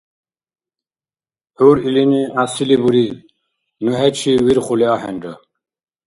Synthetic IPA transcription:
huɾiliniasilibuɾi | nuɦɛt͡ɕʰiwiɾχuliaɦɛ̰nɖə

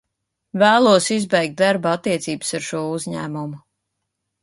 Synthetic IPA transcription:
væːlˠuɔsizbɛjk̚t̪̚d̪aɾbaat̪ːiɛt̪siːbsaɾʃuɔuzɲæːmumu

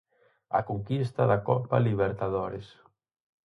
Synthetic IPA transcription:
a̰koŋkist̪aðakɔpaliβeɾt̪aðoɾes

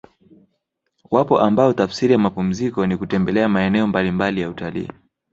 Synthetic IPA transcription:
wapɔʔambaɔtafsiɾijamapum̩zikɔnikutɛmbɛlɛamaɛnɛɔmbalimbalijautalḭː

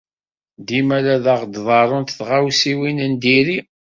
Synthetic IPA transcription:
d̪imælæðɑʁd̪ðˤɑɾˤʊnt̪θʁawsiwinənd̪iɾi

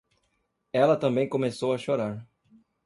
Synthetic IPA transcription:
ɛlɐt̪ɐ̃mbẽj̃kõmesowɐʃoɾaɾ

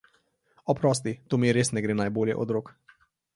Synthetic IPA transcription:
ɔpɾɔs̬t̪it̪oːmiɛɾesnɛɡɾeːnajboːljɛ̰ʔɔ̰d̪ɾok

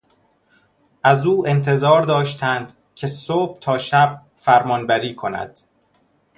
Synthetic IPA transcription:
ʔæzuːe̞nt̪ʰe̞zɒːɾd̪ɒːʃt̪ʰænd̪̥ | cʰe̞sob̥̚t̪ʰɒːʃæb̥̚ | fæɾmɒːnbæɾiːkʰo̞næ̰d̪̥

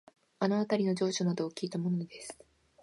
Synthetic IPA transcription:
anoat̪aɾʲino̞d͡ʑo̞ːɕonad̪o̞ːkʲiːt̪amo̞nod̪e̞sɨ̥

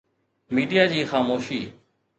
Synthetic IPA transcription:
miːɖijaːd͡ʑiːxaːmoːʃiː

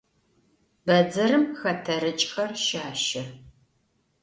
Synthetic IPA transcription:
bɐd͡zɐɾɨmxɐtʰɐɾɨt͡ʃʼxɐrʃaːʃɐ

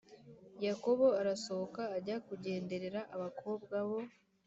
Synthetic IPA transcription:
jako̞βo̞aɾaso̞βokaːɾɟakuɟe̞ːnde̞ɾe̞ɾaʔaβakʰo̞ːbɡaβo̞

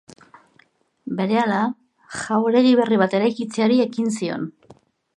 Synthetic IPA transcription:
be̞ɾe̞ala | ʝaweɾe̞ɣ̞iβ̞e̞riβ̞at̪e̞ɾajkit͡seaɾie̞kins̬io̞̰n

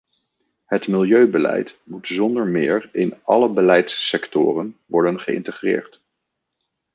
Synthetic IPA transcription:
ɦətmɪlˠjøɥbəlɛ̰jtmutzɔndəɹmɪːɹɪnɑləbəlɛjtsːɛktɔ̰ːrənʋɔɹdənχəɪ̰ntəχrɪ̰ːɹt

